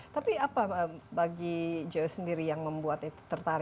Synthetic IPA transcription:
t̪apiapaəbaɡid͡ʒosəndiɾijaŋməmbuat̪it̪ərt̪aɾ

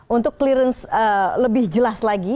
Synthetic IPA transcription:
ʔunt̪ʊkːliɾənsələbɪhd͡ʒəlaslaɡi

